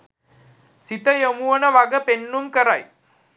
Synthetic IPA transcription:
sit̪ɐjemuʋɐnɐʋɐɡɐpenːumkɐɾɐj

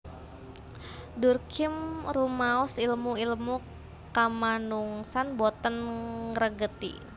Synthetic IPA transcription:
durkʰimrumaɔsilmuilmu | kamanuŋsanbɔt̪ənrəɡət̪ḭ

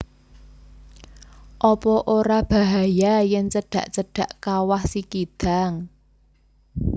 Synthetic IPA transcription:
ʔɔpɔʔoɾab̥a̤ɦajajɪŋt͡ʃəɖ̥ä̤ʔt͡ʃəɖ̥ä̤ʔkawahsikid̪̥a̤ŋ

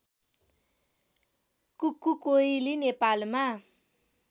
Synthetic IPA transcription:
kukukoilinepalma

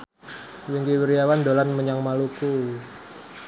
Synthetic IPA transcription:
wiŋkiwiɾijawand̪olanməɲaŋmaluku

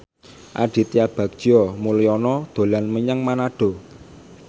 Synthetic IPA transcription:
ʔa̰ɖ̪̥i̤t̪ijab̥a̤k̚ɔmulijɔnɔd̪̥o̤lanməɲaŋmanaɖ̥o̤

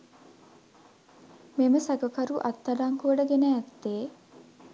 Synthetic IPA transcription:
meməsaɡəkaɾuʔat̪ːaɖaŋkuəɖəɡenəːt̪ːeː

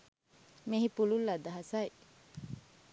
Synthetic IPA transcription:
meɦipululːɐd̪ɐɦɐsɐj

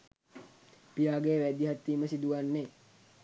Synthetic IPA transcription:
pijaːɡeːʋæd̪iɦat̪ːiːməsid̪uʋanːe

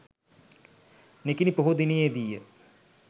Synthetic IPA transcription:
nekinipəɦud̪inijed̪ijə

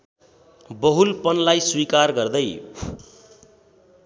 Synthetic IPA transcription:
bʌɦulpʌnlajswikarɡʌrd̪ʌj

